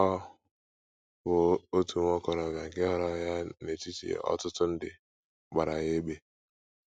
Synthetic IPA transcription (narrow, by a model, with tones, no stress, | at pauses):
ɔ˦ | bʊ˨o˦tu˨m˦ɔ˦kɔ˨ɾɔ˨ɡa˨ŋ̩˨kɪ˦ɦɔ˦ɾɔ˦ja˦ne˨ti˦tḭ˨ɔ̰˦tʊ˦tʊ˦n̩˦dɪ̰˨ | ɡ͡ba˨ɾa˨ɣe˦ɡ͡be˦